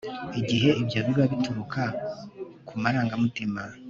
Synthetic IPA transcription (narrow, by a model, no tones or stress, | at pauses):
iɟiɦe̞ʔibjaːβiɾaβituɾukʰa | kumaɾaːŋɡamutima